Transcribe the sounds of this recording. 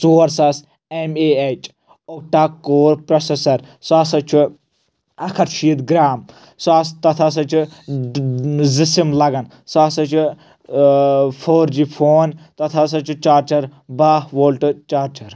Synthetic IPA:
suːɾsɐs | emeet͡ʃʼ | ok̚ʈaːkːoːɾpɾɐsesɐɾsaːsɐt͡ʃʰu | ɐkʰɐɾt͡ʃʰiːd̪ɡɾaːm | saːst̪ɐt̪ʰas̬ɐt͡ʃʰu | zisimlɐɡɐn | saːsɐt͡ʃʰu | pʰoːɾd͡ʒipʰoːnt̪ɐt̪ʰas̬ɐt͡ʃʰut͡ʃaːɾt͡ʃɐɾbaːhʋoːlʈɨt͡ʃaːɾt͡ʃɐɾ

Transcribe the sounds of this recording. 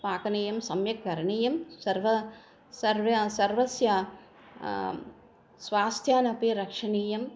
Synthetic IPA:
paːkɐneːjɐmsɐmjɐk̚ɡɐɾɐɳiːjɐmsɐɾʋɐ | sɐɾʋɐsɐɾʋɐsja | sʋaːst̪ʰjaːnɐpiɾɐkʂɐniːjɐm

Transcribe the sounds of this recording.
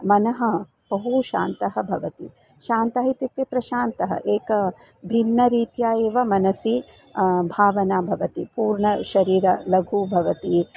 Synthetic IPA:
mɐnɐɦɐ̆ | b̥ɐɦuʃaːnt̪ɐɦɐ̆bʱɐʋɐt̪i | ʃaːnt̪aːɦit̪ɐt̪ːepɾɐʃaːnt̪ɐɦɐ̰ʔeːkɐ | bʱinːɐɾiːt̪jaːjeːʋɐmɐnɐsi | bʱaːʋɐnaːbʱɐʋɐt̪ipuːɾɳɐʃɐɾiːɾɐlɐɡʱubʱɐʋɐt̪i

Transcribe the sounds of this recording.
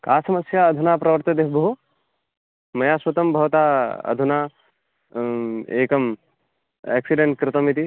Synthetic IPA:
kaːsɐmɐsjaːɐd̪ʱunaːpɾɐʋɐɾt̪ɐd̪eːɦbɐɦu | mɐjaːswɐt̪ɐmbʱɐʋt̪aːɐ̰d̪ʱunaː | ḛːkɐm | ɛ̰ːksiɖeɳʈ̚kɾɪt̪ɐmit̪i

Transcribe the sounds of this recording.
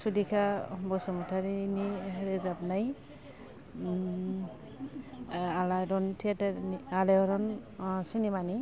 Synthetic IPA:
sulikʰabɔsɔmɔtʰaɾiniɾɛzapnaj | alaɾɔntʰiataɾnialaɔɾɔnsinɛmani

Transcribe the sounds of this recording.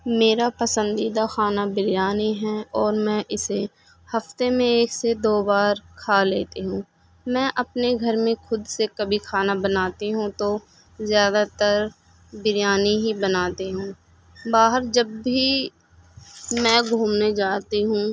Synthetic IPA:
meːɾapɐsə̃nd̪iːd̪axaːnabɪɾjaːniɦɛːɔːɾmɛ̃ːʔɪse | hɐft̪emẽeːksed̪oːbaːɾkʰaːleːt̪eɦũː | mɛ̃ːʔɐpneɡʱɐɾmẽxʊd̪sekɐbʱikʰaːnabɐnaːt̪iɦũt̪o | zjaːd̪at̪əɾ | bɪɾjaːniɦibɐnaːt̪eɦũː | baːɦəɾd͡ʒɐbːi | mɛ̃ːɡʱuːmned͡ʒaːt̪iɦũː

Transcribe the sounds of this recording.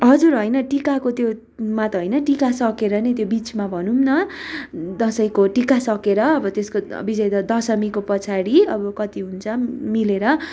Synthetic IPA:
ɦʌd͡zuɾɦʌjnʌʈikakot̪jo | mat̪ʌɦojnʌʈikasʌkeɾʌnʌt̪jobit͡smabʱʌnumnʌ | d̪ʌsʌjkoʈikasʌkeɾʌːbʌt̪eskobid͡zʌjd̪ʌd̪ʌsʌmikopʌt͡sʰaɽiʌbʌkʌt̪iɦunt͡sʰʌmileɾʌ

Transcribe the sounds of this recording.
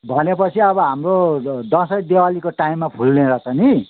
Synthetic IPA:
bʱʌnepʌt͡sʰiʌbʌɦamrod̪ʌ̃sʌjd̪ewalikoʈaimːapʰulːẽɾʌt͡sʰʌni

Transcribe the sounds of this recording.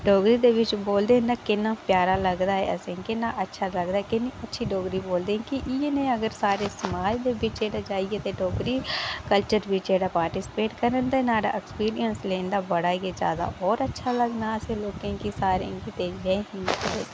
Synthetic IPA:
ɖoːɡɾid̪eʋɪt͡ʃboːld̪ẽnakɪnapjaːɾalɐɡd̪aɦɛ̰əsẽkɪnaʔɐtːʃʰalɐɡd̪aɦɛkɪniɐtːʃʰiɖoːɡɾiboːld̪ẽkiʔjenɐĩɐɡəɾsaːɾesɐmaːd͡ʒd̪ebʱɪt͡ʃeːɽad͡ʒaːiɡet̪eɖoːɡɾikəlt͡ʃəɾbʱit͡ʃeːɽapaːɾʈɪsɪ̥peːʈkəɾənd̪anaːɖa̰ʔekspiːɾijənslẽːnd̪abɐɽaijeza̰ːd̪a̰ʔɔːɾɐtːʃʰaləɡnaseloːkẽkisaːɾḛkit̪eːjeẽɦɪ̃nkːe

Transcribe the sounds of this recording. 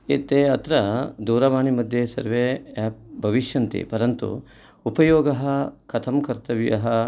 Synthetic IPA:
eːt̪eːɐt̪ɾɐd̪uːɾɐʋaːɳimɐd̪ʱjesɐ̰ɾʋeɛːp̚bʱɐʋiʃjɐnt̪ḭpɐɾɐnt̪ṵ | upɐjoːɡɐɦɐkʰɐt̪ʰɐmkɐɾt̪ɐʋijɐɦɐ

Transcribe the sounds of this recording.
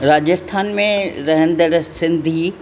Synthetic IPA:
ɾaːd͡ʑəst̪ʰaːnmẽɾɐɦə̃nd̪əɽsɪ̃nd̪ʱiː

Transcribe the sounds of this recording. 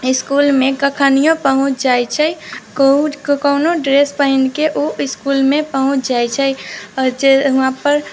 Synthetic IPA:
ɪskuːlmẽkəkʰaːnijõpəɦʊ̃t͡ʃʰd͡ʒaːjt͡ʃʰɛ | kəʊnoɖɾespəɦɪnkeʔoɪskuːlmẽpəɦʊ̃t͡ʃʰd͡ʒajt͡ʃʰə | d͡ʒeʋɦãpəɾ

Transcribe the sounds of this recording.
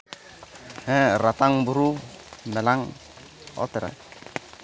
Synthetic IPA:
hɛrat̪aŋbuɾumɛlaŋ | ɔ̰t̪ɛɾa̰

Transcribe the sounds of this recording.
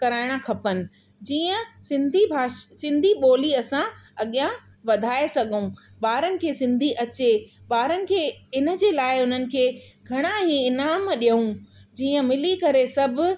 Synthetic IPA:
kɐɾaːɪɽ̃akʰɐpənɪ̆ | d͡ʑiːə̃sɪ̃nd̪ʱibʱaːsɪ̃nd̪ʱiɓoːliɐsãɐɠijã | ʋɐd̪ʱaːesɐɡʱũ | ɓaːɾənɪ̆kʰeːsɪ̃nd̪ʱiʔɐt͡ɕeɓaːɾənɪ̆kʰeːɪnə̆d͡ʑeːlaːɪʊn̤ənɪ̆kʰeːɡʱɐɽ̃aɦĩɪnaːmɗijəũd͡ʑiːə̃mɪlikɐɾesɐbʱʊ̆

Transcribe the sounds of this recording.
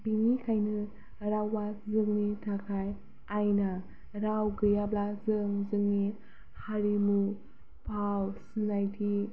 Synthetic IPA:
biŋikʰajnɯ | ɾawːazɯŋnitʰakʰaj | ajna | ɾawɡɯjablazɯŋzɯŋni | haɾimu | pʰawsinajtʰi

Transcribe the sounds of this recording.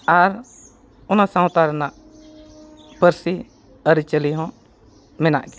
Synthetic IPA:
aɾ | ɔnasãwt̪aɾnaʔ | pəɾsi | əɾit͡ʃəliɦɔ̃ | mɛna̰ʔɡɛ̥

